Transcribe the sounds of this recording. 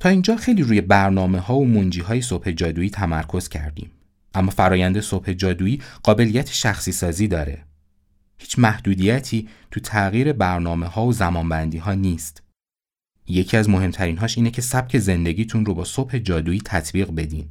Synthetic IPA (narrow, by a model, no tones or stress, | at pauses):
t̪ʰɒːind͡ʒɒːxejliːɾuːjebæɾnɒːme̞ɦɒːomond͡ʒiːɦɒːjeso̞b̥he̞d͡ʒɒːd̪uːiːt̪ʰæmæɾkʰo̞z̥cʰæ̰ɾd̪ḭːm | ʔæmːɒːfæɾɒːjænd̪e̞so̞b̥he̞d͡ʒɒːd̪uːiːɢ̥ɒːbe̞lijæt̪ʰe̥ʃæxsiːsɒːziːd̪ɒːɾe̞̰ | hiːt͡ʃʰmæhd̪̥uːd̪ijæt̪ʰiːt̪ʰut̪ʰæɣiːɾe̞bæɾnɒːme̞hɒːozæmɒːnbænd̪iːɦɒːniːst̪ | je̞cʰiæzmo̞ɦe̞mt̪ʰæɾiːnɦɒːʃʔiːnecʰe̞sæb̥̚cʰe̞ze̞nd̪e̞ɟiːt̪ʰunro̞bɒːsob̥he̞d͡ʒɒːd̪uːiːt̪ʰæt̪ʰbiːɣbe̞d̪ḭːn